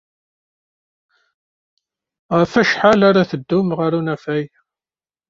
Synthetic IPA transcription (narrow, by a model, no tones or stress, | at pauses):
ʁəfæʃħalaɾaθəd̪ːʊmʁəɾunæfæj